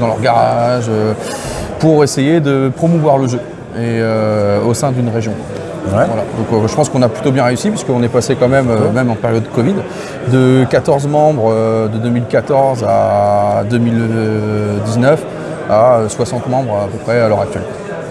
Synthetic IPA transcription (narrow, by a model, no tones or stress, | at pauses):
d̪ɑ̃lœʁɡaʁaʒø | puʁesejed̪əpχɔmuvwaʁləʒø | eøosɛ̃d̪ynʁeʒjɔ̃ | wɛvwala̰d̪ɔ̃kʒəpɑ̃skɔ̃naplyt̪objɛ̃ʁeysipiskəɔ̃nɛpasekɑ̃mɛmømɛmɑ̃peʁjɔd̪ːəkɔvid̪ | d̪əkat̪ɔʁzmɑ̃bʁd̪əd̪ømilkat̪ɔʁzad̪ømilød̪iznœf | aøswasɑ̃t̪mɑ̃bʁapəpχɛalœʁak̚t̪ɥɛlk